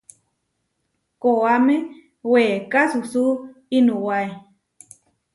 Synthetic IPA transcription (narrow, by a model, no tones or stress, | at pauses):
koame | weːkasusuinuwae